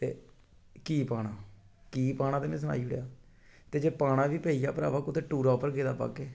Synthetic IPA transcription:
t̪ḛː | kiːpaːɽaː | kiːpaːɽ̃ãːt̪eːnẽːs̬əna̰ːiːʊɽjaː | t̪eːd͡ʒeːpaːɽ̃ãːʋiːpeːijaːpəɾa̰ːʋaːkʊt̪eːʈuːɾaːpəɾkeːd̪aːpa̰ːɡeː

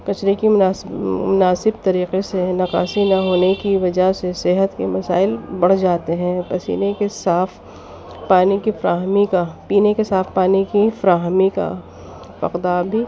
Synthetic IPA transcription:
kɐt͡ʃɾekimʊnaːsmʊnaːsɪb̚t̪ɐɾiːqesenɐqa̰ːsinɐɦoːnekiʋɐd͡ʒaseseɦət̪kemɐsa̰ːɪlbɐɽ̤d͡ʒaːt̪eɦɛ̃pɐsḭːnekesaːfʰ | paːnikifɐɾaːɦmikapiːnekesaːfʰpaːnikifɐɾaːɦmika̰ | pɐ̰qd̪aːbʱi

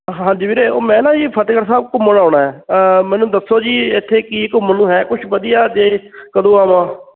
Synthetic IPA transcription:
ɦɦãːɲd͡ʒiːbiːɾeːoːmɛ̃ːnãːiːpʰət̪kəɾsaːbkʊmːənaːɳaːɦɛːmɛ̃ːnũːd̪əsːoːd͡ʒiːɪt̪ʰːeːkɪɪkməlũːɦɛːkʊt͡ʃʰʋəd̪ijaːd͡ʒ̪eːkəd̪õːaːʋãː

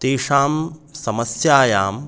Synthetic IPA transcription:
t̪eːʂaːmsɐmɐsjaːjaːm

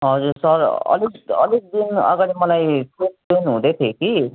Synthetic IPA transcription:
ɦʌd͡zuɾsʌɾʌ̰likʌ̰lek̚d̪inʌ̰ɡaɽimʌlajsenpenɦũd̪et̪ʰjeki

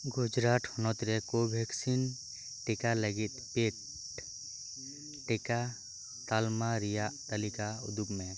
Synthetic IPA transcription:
ɡʊd͡ʒɾaʈhɔnɔt̪ɾɛkobʱɛksin | ʈɛkaləɡit̪̚pet̪ | ʈɛka | t̪almaɾijaʔt̪əlikaʊ̰d̪ukmɛ

